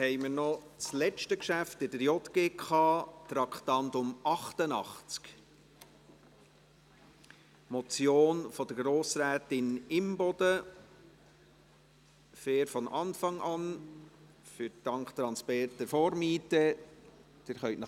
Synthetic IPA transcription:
hɛɪməɾnɔ | t͡slɛt͡ʃtəkʃæftɪdəɾjɔt̪ɡ̥eːkχɑːt̪ɾɑkχt̪ɑntʊmɑχtənɑχt͡sk | mɔt͡sjoːnfɔd̥əɾɡɾoːsɾæːtɪnɪmbɔd̥ə | fɛːɾfɔnʔɑnfɑŋʔɑn | fʏɾd̥ɑŋkt̪ɾɑnspɛrtəfɔːɾmiːtə | d̥ɪɾχœʏtnɑ

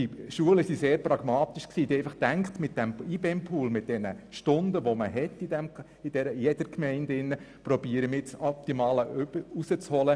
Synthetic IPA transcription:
diʃuələsiseːɾpɾɑɡ̥mɑːt̪iʃksiːdiɛɪfɑχd̥æŋkt̪mɪt̚d̥ɛmibɛmpʰuːlmɪt̚d̥ɛnəʃtʊndəʋoməɦɛtːidɛm | id̥ɛɾəijɛd̥əɾkmɛɪndɪnːəpɾɔbiəɾəmɪt͡sɔp̚t̪imɑːləbəusət͡shɔlə

